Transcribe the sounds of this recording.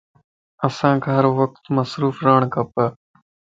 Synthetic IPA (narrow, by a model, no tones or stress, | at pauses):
əsãːkʰːɦəɾʋək̚t̪məsɾuːfɾaːɳ̃kəpəː